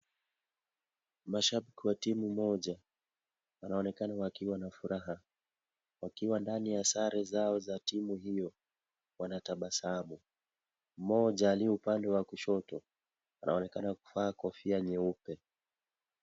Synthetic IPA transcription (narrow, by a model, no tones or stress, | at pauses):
maʃaɓikiwatimumɔʄa | anaɔnɛkanawakiwanafuɾaɦa | wakiwandanijasaɾɛzaɔzatimuhijɔ | wanataɓasaamu | mɔʄaːliɔupandɛwakuʃɔtɔ | anʔa̰ɔnɛkanaku̥faːkɔfiaɲɛupɛ